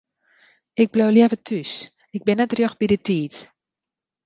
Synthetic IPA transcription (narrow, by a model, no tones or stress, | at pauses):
ɪɡ̚blowljɛvətʰys | ɪɡ̚bɪnɛtrjox̚b̥idətiːt